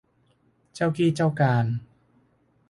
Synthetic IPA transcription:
t͡ɕa˥˩wkiː˥˩t͡ɕa˥˩wkaː˧n

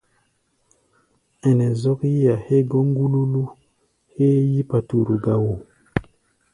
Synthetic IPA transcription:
ɛ˨nɛ˨zɔ˦kji˦ja˨he˦ɡo˦ŋ˦ɡu˦lu˦lu˦ | he˦ji˦pa˨tu˨ɾu˨ɡa˦wo˨

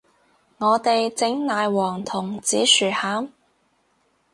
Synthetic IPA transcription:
ŋɔː˨˧t̪e˨jt͡sɪ˨˥ŋnaː˨jwɔː˨˩ŋt̪ʰʊ˨˩ŋt͡siː˨˥syː˨˩haː˨˥m

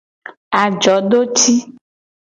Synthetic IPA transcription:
a˨d͡ʒɔ˨˦ɖo˦t͡ʃi˦

